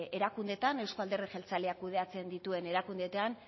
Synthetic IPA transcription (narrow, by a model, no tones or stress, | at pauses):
e̞ɾakund̪e̞t̪ane̞wskoald̪e̞rexelt͡saleakːuð̞e̞at͡se̞nd̪it̪ue̞ne̞ɾakund̪et̪ean